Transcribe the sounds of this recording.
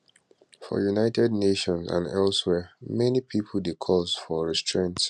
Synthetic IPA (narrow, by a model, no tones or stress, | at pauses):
fɔ̰junaɪtʰɛdneʃɔ̃nsã̰nɛlswɛmɛnipʰipʰəl̩dekʰɔzfɔɹɛstɹẽnts